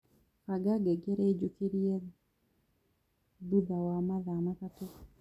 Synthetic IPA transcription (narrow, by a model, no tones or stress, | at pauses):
kaɡaɡɛɡeɾed͡ʒukiɾiɛd | dud̪awamaðamakato